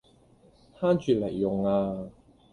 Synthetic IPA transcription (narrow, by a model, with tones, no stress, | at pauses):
t̪ʰaː˥nt͡ʃyː˨˧le˨˩jːʊ˨ŋaː˧